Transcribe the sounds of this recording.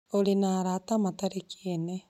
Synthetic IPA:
oɾinaɾatamat̪aɾekiiene

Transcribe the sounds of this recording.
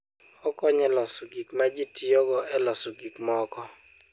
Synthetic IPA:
ɔkɔɲɛlɔsuɡikmad͡ʒitʰiɔɡɔʔɛlɔsuɡikmɔkɔ

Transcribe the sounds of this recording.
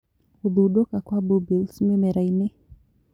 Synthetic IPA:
uðuɗokakwabubilsmemɛɾainɪ

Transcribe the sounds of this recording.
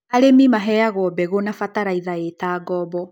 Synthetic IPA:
aɾemimaɦɛaɣwɔbɛɣonafataɾaiðaetaɡɔbɔ

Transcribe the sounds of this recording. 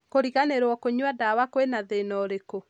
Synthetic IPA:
koɾiɣaneɾwɔkoɲwadawakoenaðenɔɾeko

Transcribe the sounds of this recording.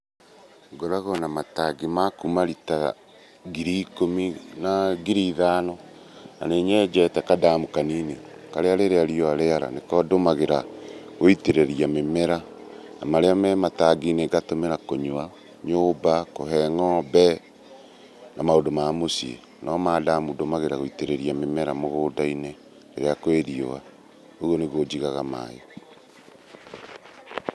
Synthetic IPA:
ɡoɾaɣonamataɡimakumaɾita | ɡiɾikominaɡiɾiðaːnɔ | na̰neɲed͡ʒɛtɛkadamukaniːne | kaɾeaɾeɾeaɾiɔaɾeaɾa̰nekɔdomaɣeɾaɣoiteɾeɾiamemeɾa | namaɾeamɛmataɡineɡatomeɾakoɲwa | ɲobakoɦɛŋɔbɛ | nʔamaodomamosiḛ | nɔmaːdamudomaɣeɾaɣoiteɾeɾiamemɛɾamoɣoːdaine | leɾeakweɾio̰ɣa | oɣoneɣod͡ʒiɣaɣama̰jɔ

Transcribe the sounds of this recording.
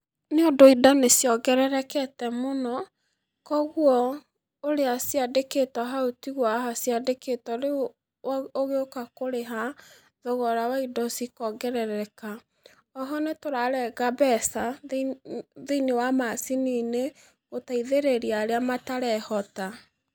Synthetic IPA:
neondoidɔnesjɔɡɛɾɛɾɛkɛtɛmonɔ | kɔɣwɔ | oɾeasiadeketɔɦaotiɣwaɦasiadeketɔɾe | oɣeokakoɾeɦa | ðɔɣɔɾawaidɔsikɔɡɛɾɛɾɛka | ɔɦɔnetoɾaɾɛɣabɛsa | ðeinewamasiniːne | ɣotaiðeɾeɾiaɾeamataɾɛhɔta

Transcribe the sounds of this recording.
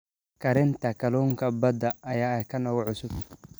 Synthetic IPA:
kʰɐɾɪnt̪ʰɐkʰɐlɔːŋkʰɐbɐd̪ɐʔɐjaːɛjkʰɐnɔɣɔʕʊsʊb

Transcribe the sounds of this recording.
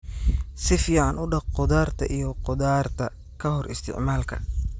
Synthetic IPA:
sɪfiːʕɑnʊɖɑqqɔðaːrt̪ʰɐ̰ʔijɔqɔðaːrt̪ʰɐ | kʰɐhɔrʔɪst̪ʰɪ̰ʕmaːlkʰɐ̰

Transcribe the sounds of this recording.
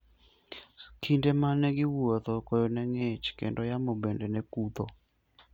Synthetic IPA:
kʰindemanɛɡɪwot̪okojonɛŋet͡ʃkḛndɔjamobendenekut̪o

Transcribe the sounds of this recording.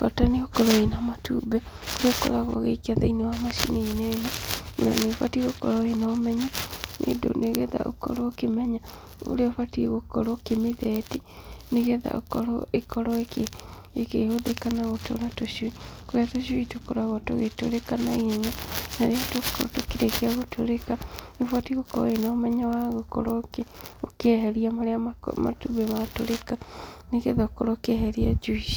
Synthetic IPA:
fataneokɔɾɔenamatʰṵːbɛ | oɾeokɔ̰ɾaɣwɔ̰ɣeikeaðainewamaʃineinɛnana̰nefa̰tiɣokɔɾɔenaomɛɲanʔḛdo̰neɣeða̰ʔo̰kɔ̰ɾɔkemɛɲa | o̰ɾeofatieɣokɔɾɔkemeðɛtineɣeða̰ʔo̰kɔɾɔ̰ekɔɾɔeke | ekehoðekanaɣotʰo̰ɾatoʃwikoɾeatoʃuitokoɾaɣɔto̰ɣeto̰ɾekanaieɲanaɾeatokɔ̰ɔ̰tokeɾekeaɣotʰoɾekanefwatiɣokɔ̰ɾɔ̰enaːmɛɲawaɣokɔ̰ɾɔkeokeɦɛɾiamaɾeamama̰tuβɛmatoɾekaneɣeðaokɔɾɔkeɦɛɾiad͡ʒuiʃi̥

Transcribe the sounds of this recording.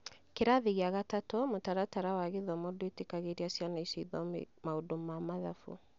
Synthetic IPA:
keɾaðiɣeaɣatatɔmotaɾataɾawaɣeðɔmɔdetekaɣeɾiasjanaisiiðɔ̰ | maodomamaðafṵ

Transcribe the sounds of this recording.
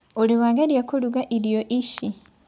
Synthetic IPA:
oliwaːɡaɾjakoluɡaʔiɾijoʔiʃi

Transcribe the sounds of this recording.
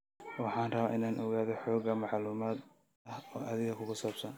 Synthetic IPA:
wɑħɑːnrɐβaːʔɪnaːnʔɔɣaːðɔħɔːɡɐmɑʕluːmaːd̪ | ɐhɔːʔɐðɪɣɐkʰʊɣʊsaːbsɐn

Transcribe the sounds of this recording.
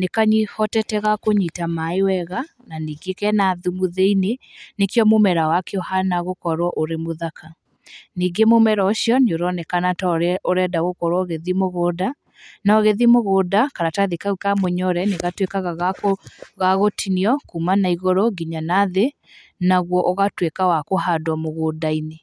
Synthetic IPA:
nekaɲihɔtɛtɛɣakoɲitamaewɛɣa | naniːɡekɛnaðumoðeinenekjɔmomɛɾawakeɔhanaɣokɔɾwɔʔoɾemoðakʰa | niːɡemomɛɾɔoɕjɔɲoɾɔnɛkanatɔɾɛoɾɛdaɣokɔɾwɔɣeðimoɣoːda | naɔɣeðimoɣodakaɾataðikaukamoɲɔɾɛneɣatwekaɣaɣakoɣaɣotʰiniɔkumanaiɣoɾoɡiɲanaðe | naɣwɔʔoɣatwekawakoɦadɔmoɣodaine

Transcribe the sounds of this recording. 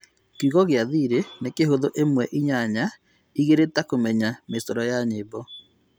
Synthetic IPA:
kiɣɔɣeaðiɾenekeɦoðoʔemwɛʔiɲaɲa | iɣeɾetakomɛɲamesɔɾɔjaɲebɔ

